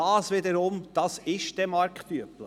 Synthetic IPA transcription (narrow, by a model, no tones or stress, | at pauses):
ɑːsʋɪdəɾʊmd̥ɑsɪʃd̥ɛmɑɾkfyəplə